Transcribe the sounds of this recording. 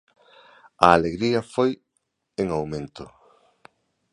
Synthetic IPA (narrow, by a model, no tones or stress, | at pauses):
ɐːleɣɾiɐfoj | eŋawmẽnt̪ʊ